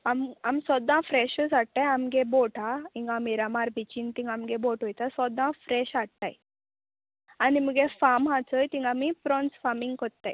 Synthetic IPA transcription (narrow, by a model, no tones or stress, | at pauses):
amamsɔd̪ãːfɾeʃusaɽʈ̪ajɐmɡeboːʈaiŋɡamiɾɐmaɾbit͡ʃint̪iŋɡɐmɡeboːʈɦojt̪asɔd̪ãːfɾeʃaɽt̪a̰j | animɡefaːmɦat͡səjt̪iŋɡamipɾonsfaːmiŋɡkot̪ːaj